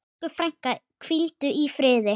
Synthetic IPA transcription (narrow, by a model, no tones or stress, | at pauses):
ʏfɾɛjŋ̥kakʰvilt̪ʏʔifɾɪːðɪ